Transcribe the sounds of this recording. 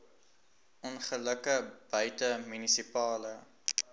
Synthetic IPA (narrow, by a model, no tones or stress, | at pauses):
ʔɔnχələkəb̥œɥtəmynisipɑːlə